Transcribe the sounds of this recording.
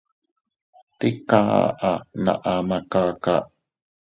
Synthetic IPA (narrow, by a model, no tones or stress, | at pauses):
t̪ikaʔana̰ʔamakaka̰ʔ